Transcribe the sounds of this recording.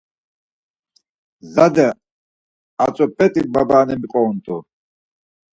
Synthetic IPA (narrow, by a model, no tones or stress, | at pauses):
zad̪ɛ | at͡sʼɔpʰʼɛt̪ʼibabaːnɛmiqʼɔwnt̪ʼu